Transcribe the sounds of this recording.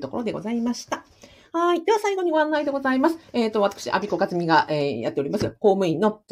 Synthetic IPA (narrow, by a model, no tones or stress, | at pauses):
t̪o̞ko̞̰ɾo̞d̪e̞ɡo̞̰zaimaɕi̥t̪a | haid̪e̞asaiɡo̞ɲ̟iɡo̞ãnːaid̪e̞ɡo̞zaimasɨ̥eːt̪ːo̞βat̪ḁkɯ̟̥ɕḭʔa̰bʲiko̞ɡat͡sɨmʲiɡaʔeːja̰t̪ːeoɾimasɨɡako̞ːmɯ̟ĩnːo̞